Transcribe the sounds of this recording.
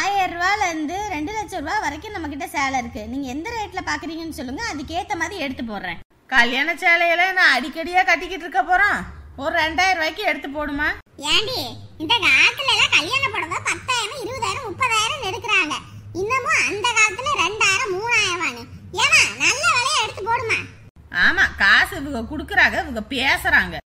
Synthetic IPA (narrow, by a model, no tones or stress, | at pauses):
aːjɾɯʋaːlɐɯnd̪ɯɾɛɳɖɯlɐt͡ʃːɐɾɯʋaːʋɐɾɐkːɯ̃nɐmːɐk̬ːɪʈːɐseːlɐɪɾɯkːɯniːŋɡɐɛnd̪ɐɾeːʈːɪlɐpaːɾkɯɾiːŋɡɐnːɯsɔlːɯŋɡɐːðɯkeːt̪ːɐmaːðɾiɛɽɯt̪ːɯp̬ːoːɾɾḛ̃ː | kɐljaːɳɐt͡ʃːeːlɐjɐlɐnãːɐɽɪkːɐɽɪjaːkɐʈːɪkːɪʈːɾɯkːɐpːoːɾõːɔɾɯɾɛɳɖaːjɪɾɐʋaːɪkːɯ̃ɛɽɯt̪ːɯp̬oːɽɯmaː | jeːɳɖi | ɪnd̪ɐkaaːlɐt̪ːɪlɐlːãːkɐljaːnɐpoːɽɐʋãːpɐt̪ːaːjɪɾɐ̃ɪɾɯʋɐðaːjɪɾɐ̃mʊpːɐðaːjɪɾɐ̃mɛɽɯkːɪɾaːŋɡɐ | ɪnːɐmːõɐnd̪ɐkaːlɐt̪ːɪlɐɾɛɳɖaːjɪɾɐ̃mmuːnaːjɪɾɐʋaːnɯeːnaːnɐlːɐʋɛlɐjaɛɽɯt̪ːɯpoːɽɯmaː | aːmaːkaːsɪʋɯŋɡɐkʊɽɯkːɯɾaːŋɡɐɪʋɯŋɡɐpeːsɐɾaːŋɡɐ